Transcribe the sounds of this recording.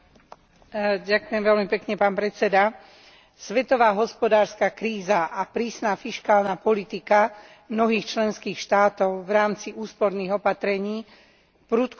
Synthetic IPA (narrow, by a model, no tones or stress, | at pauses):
ɟakʊjɛmʋɛlmipɛkɲɛpaːnpɾɛt͡sɛd̪a | sʋɛt̪ɔʋaːɦɔspɔd̪aːɾskakɾiːzaʔapɾiːsnafiʃkaːlnapɔlit̪ika | mnɔɦiːxt͡ʃlɛnskiːxʃt̪aːt̪ɔʊʋɾaːmt͡siʔuːspɔɾniːɣɔpat̪ɾɛɲiː | pɾuːt̪k